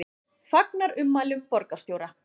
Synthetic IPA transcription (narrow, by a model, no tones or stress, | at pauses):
fak̚naɾʏmːaːjlʏmpɔɾkast̪jowɾa